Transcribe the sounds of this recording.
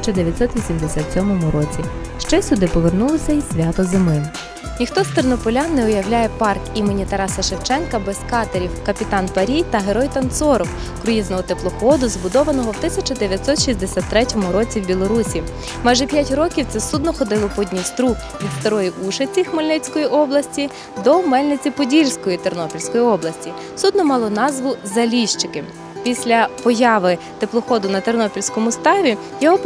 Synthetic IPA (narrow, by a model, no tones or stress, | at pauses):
t͡ʃɐd̪eʋʲjɐt̪ʲsɔt̪ʋʲisʲimd̪esʲat̪sʲɔmɔmʊɾɔt͡sʲi | ʃt͡ʃɛsʲʊd̪ɪpɔʋernulˠɔsʲɐisʲʋʲat̪ɔzemɪ | nʲixt̪ɔst̪ɐrnɔpɔlʲanːɛʊjɐwlʲajɛpɑrkimenʲit̪ɐɾɑsɐʃewt͡ʃɛnkɐbɛskɑt̪eɾʲiwkɐpʲit̪ɑnpɐɾʲijt̪ɐɦeɾɔjt̪ɐnt̪sɔɾɔw | kɾʊjiznɔɦɔt̪eplˠɔxɔd̪ʊzbʊd̪ɔʋɐnɔɦɔwt̪ɪsʲɐt͡ʃɐd̪eʋʲjɐt̪ʲsɔt̪ʃisʲd̪esʲat̪ːɾɛtʲɔmʊɾɔt͡sʲiwbʲilˠɔɾusʲi | mɑjʒɛpʲjatʲrɔkʲiwt̪sɛsud̪nɔxɔd̪ɪlˠɔpɔdʲnʲist̪ɾu | ʋʲid̪st̪ɐɾɔjiʔuʃet͡sʲixmɐlʲnɪt͡sʲkɔjiʔɔblˠɐsʲtʲi | d̪ɔmɛlʲnɪt͡sʲipɔdʲilʲsʲkɔjit̪ernɔpʲilʲsʲkɔjiɔblˠɐsʲtʲi | sud̪nɔmɑlˠɔnɑzʋʊzɐlʲiʃt͡ʃɪkɪ | pʲisʲlʲɐpɔjɑʋɪ | t̪eplˠɔxɔd̪ʊnɐt̪ernɔpʲilʲsʲkɔmʊst̪ɑʋʲi | jɔɦɔ